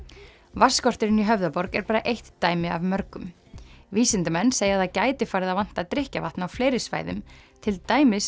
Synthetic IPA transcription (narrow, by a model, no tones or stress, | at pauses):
vaskɔr̥t̪ɪɾɪniɦœvðapɔɾkɛɾpaːɾaʔejht̪ːaːjmɪa̰vmœɾkʏm | viːsɪnt̪ɪmɛnːsejaðacaːjt̪ɪfaːɾɪðavan̥t̪aðt̪ɾɪhcava̰ht̪nawfleːjɾɪsva̰jðʏ̰mt̪ʰɪlt̪aːjmɪs